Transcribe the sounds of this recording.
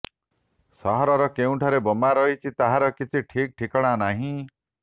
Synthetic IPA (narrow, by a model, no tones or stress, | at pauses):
sɔɦɔɾɔɾɔkeũʈʰɔɾebɔmaɾɔɦit͡ʃʰit̪aɦãɾɔkit͡ʃʰiʈʰik̚ʈʰikɔɽ̃anaɦĩ